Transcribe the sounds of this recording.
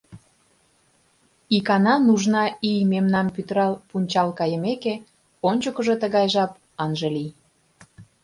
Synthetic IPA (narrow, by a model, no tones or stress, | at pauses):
ikɑnɑnuʒnɑijmemnɑmpyt̪əɾɑlpunʲt͡ɕɑlkɑjə̆meke | onʲt͡ɕokəʒot̪əɣɑjʒɑp̚ | ɑnʒelij